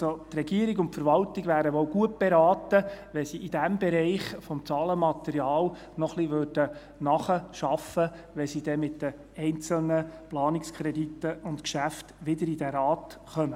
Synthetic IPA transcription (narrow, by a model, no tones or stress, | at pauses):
sot̪rɛɡiəɾɪɡʊntfəɾʋɑltɪɡʋæːɾəʋɔwɡuət̚b̥eɾɑːtəʋɛsiʔid̥æmbɛɾɛɪχfɔmt͡sɑːləmɑt̪ɛɾiɑːl | nɔχliʋørd̥ə | nɑχəʃɑfə | ʋɛsid̥ɛmɪtd̥̪ə | ɛɪnt͡səlnəplɑːnɪkskʰɾɛditːəʊntkʃæftʋɪd̪əɾid̥æɾɑːt̪χœmə